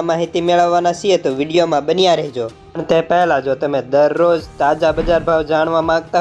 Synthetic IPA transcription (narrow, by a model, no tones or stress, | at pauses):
maːɦɪt̪imeɭəʋːanasiet̪oʋɪɖijomãɓənijãɾɐɦid͡ʒoːpɳ̃t̪ẽːpɛɦlãd͡ʒot̪ɐmẽd̪ɐɾːoːzt̪aːd͡ʒabɐd͡ʒaːɾbʱaːʋd͡ʒaːɽ̃ʋãmãːɡt̪a